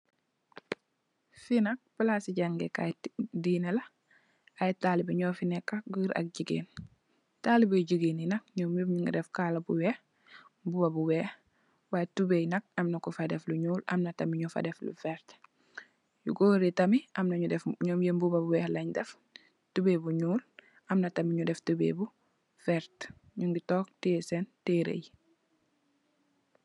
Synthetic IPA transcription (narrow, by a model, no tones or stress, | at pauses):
finɐk̚pəlasiɟaŋɡɛka̰jdiːnɛlɐ | ɐjtalibɐɲɔːfinɛkːɐɡəɾʔɐ̰k̚ɟiɡḛːn | talibɐjɟiɡeːninɐk̚ɲɔːmjubɲuŋɡdɛfkaːlɐbuwɛh | mbubɐbuwɛːh | waːtubejnɐk̚ɐmnɐkufadɛfluɲuːlʔɐ̰mnɐtɐmiɲufa̰dɛflṵfɛɾt | jṵɡoɾitɐmiʔɐmnɐɲudɛfɲɔːmjembubabuwɛːhlɐɲdɛf | tubeːbuɲuːl | ɐmnɐtɐmiɲudɛftubḛbu | fɛɾt | ɲuŋɡitɔːk̚teːsɛnteɾḛj